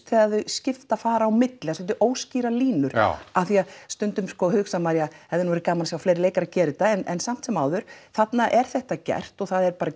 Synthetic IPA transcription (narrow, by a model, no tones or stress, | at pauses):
t̪θɛaððʏscɪft̪afaːɾaːwmɪt̪lɪas̬ɔlat̪ɪʔoːwsciːɾaliːnʏɾ̥̰aθiast̪ʏnt̪ʏmskɔhʏksamaɾjahɛvðɪnvɛɾkaːmansjawfleːjɾɪleːjkaɾacɛːɾɪt̪aɛnɛnsam̥t̪sɛmaːwðʏɾ̥θat̪naʔɛɾ̥θɛht̪acɛ̰r̥t̪ɔɣθaðɛɾpaːɾa